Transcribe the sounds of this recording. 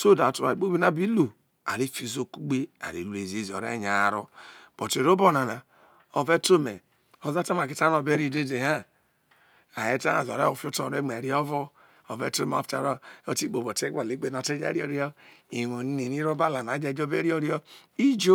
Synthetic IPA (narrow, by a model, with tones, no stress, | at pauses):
so˦˨da˨tu˨ɾa̰˨k͡po˦bi˦na˦˨bi˦lu˨ | a̰˨ɾi˦fi˦˨zo˦ku˦ɡ͡be˦a̰˨ɾḭ˨lu˦e˨ze˦zo̰˨ɾḛ˦˨ɲa˨ɾo˦b̥o˨te˨ɾo˦bo˦na˨na˨ | o˨ve˦to˦me˨ | o˨za˦ta˦ma˨ki˦ta˦no˨be˦ɾi˦˨de˦de˨ha˦ | a˨je˦ta̰˦a̰˨zo̰˨ɾḛ˦o˨fi˦o˦to˨ɾe˦m˨e˨ɾi˦o˦vɔ˦ | o˨vḛ˦to˦m̰˨˦fta̰˨ɾo˦o˦ti˦k͡po˨bo˨te˦ɡʷa˨li˦ɡ͡be˨na˨te˦d͡ʒa̰˦ɾi˦o˨ɾi˦o˦i˨no˨ni˦ni˨ni˦ɾo˦ba˦la˨n˨a˨˦d͡ʒe˨d͡ʒo˦be˦ɾi˦o˦ɾi˦o˦i˦d͡ʒo˦